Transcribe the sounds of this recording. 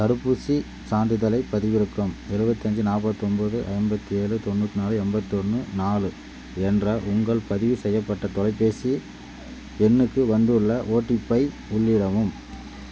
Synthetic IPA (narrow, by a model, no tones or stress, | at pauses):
t̪ɐɾɯpːusi | saːnɖ̪ɪðɐlɐɪpːɐðɪʋɪɾɯkːɯmɛɻɯbɐt̪ːiɐɲd͡ʒɯnaːpːɐt̪ːɯɔnbɐðɯʔɐ̰ɪnbɐt̪ːieːɻɯt̪ɔnːuːt̪ːɯnaːlɯɛmbɐt̪ːɔnːɯnaːlɯ | ɛndrɐʔʊŋɡɐɭpɐðɪʋɯsɛjːɐpːɐʈːɐt̪ɔlɐɪpːeːsi | pɛnːɯkːɯʋɐnd̪ɯɭːɐʔoːʈːipːɐɪ | ʊɭːɪɽɐʋɯm